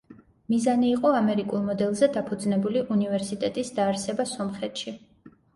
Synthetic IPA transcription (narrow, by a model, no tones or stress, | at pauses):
mizaniːqʼɔamɛɾikʼulˠmɔd̪ɛlˠzɛd̪apʰud̪znɛbuliʔunivɛɾsit̪ʼɛt̪ʼisd̪aːɾsɛbasɔmχɛt̪ʰʃi